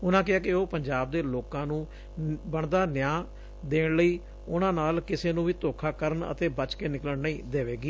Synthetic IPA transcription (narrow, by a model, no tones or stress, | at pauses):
ʊnãːkɪɦaːkɪoːpəɲd͡ʒaːb̚d̪eːloːkãːnũː | bəɳd̪aːnɪjãː | d̪eːɽləiː | ʊnãːnaːlkɪseːnũːʋiːt̪oːkʰaːkəɾəɳə̰t̪eːbət͡ʃkeːnɪkləɳnəĩːd̪eːʋeːɡiː